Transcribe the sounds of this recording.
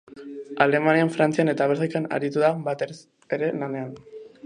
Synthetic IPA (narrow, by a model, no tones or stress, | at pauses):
ale̞maniaɱfɾant͡siane̞t̪aβ̞eɾsajkana̰ɾit̪uðabat̪e | eɾe̞lane̞an